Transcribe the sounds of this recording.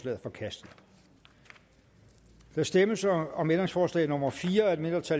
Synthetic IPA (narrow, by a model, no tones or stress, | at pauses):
lɛ̰ːð̩ˠfɒ̽kʰæsd̥ð̩ˠ | d̥ɑsd̥eməsɒ̽mend̥ʁeŋsfɒːslɛ̰ːno̽mɐfiːɐæɐed̥me̝nd̥ʁɐt͡sʰæ